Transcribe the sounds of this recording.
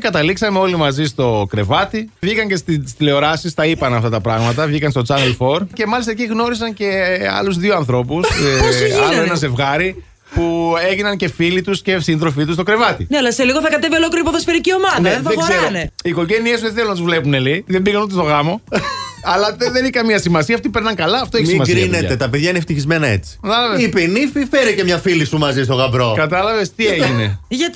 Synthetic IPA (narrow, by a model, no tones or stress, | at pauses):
kɐt̪ɐliksɐmeo̞limɐzist̪o̞kɾe̞vɐt̪ivʝikɐɲcest̪ist̪ile̞o̞ɾɐsist̪ɐipɐnɐft̪ɐt̪ɐpɾɐɣmɐt̪ɐvʝikɐnst̪o̞t͡sɐnelfo̞ɾce̞mɐlist̪ɐec̬iɣno̞ɾis̬ɐnce̞ɐ̰luzðioɐnθɾo̞pus | ɐlloenɐze̞vɣɐɾi | pue̞ʝinɐnce̞filit̪usce̞sind̪ɾofit̪ust̪o̞kɾe̞vɐt̪ḭneɐlɐseliɣoθɐkɐt̪e̞vio̞lokliɾipoðosfeɾicio̞mɐðneðeɡzzeɾɾoniko̞ʝeniesuðeθelunɐt̪uzvle̞puneliðembiɣɐnot̪ist̪o̞ɣɐmo̞ | ɐlɐðeniçkɐmɲɐsimɐsiɐft̪ipe̞ɾnɐŋkɐlɐːft̪oeçsmɐsɡɾiineɐet̪ɐpeðʝɐineft̪içizmenɐḛt͡si̥kɐt̪ɐlɐvesipenififeɾicemɲɐfilisumɐzis̬t̪o̞ɣɐbɾo̞kɐt̪ɐlɐve̞st̪ieʝine̞̰ʝɐt̪